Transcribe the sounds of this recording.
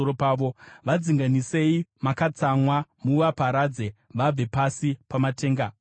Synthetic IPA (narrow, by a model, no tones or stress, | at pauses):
oɾopaːʋo̞ʋad͡ziŋɡanise̞imakat͡samwamuʋapaɾad͡ze̞ʋab͡ve̞pasipamate̞ːŋɡa